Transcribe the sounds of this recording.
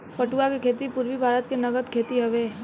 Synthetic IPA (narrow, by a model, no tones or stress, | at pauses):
pɐʈuakekʰeːt̪ipʊɾʋibʱaːɾət̪kenɐɡəd̪kʰeːt̪iɦɐʋeː